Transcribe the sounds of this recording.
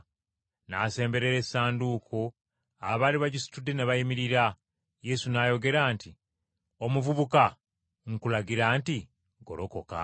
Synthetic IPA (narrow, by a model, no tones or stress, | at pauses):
naːse̞ːmbe̞ɾeɾe̞sːaːnduːkʰo | aβaːliβaɟisi̥tudːe̞neβajimiɾiɾa | je̞sunaːjo̞ɡe̞ɾaːnti | o̞muvuβuka | ŋkulaɡiɾaːnti | ɡo̞̰loko̞̰ka̰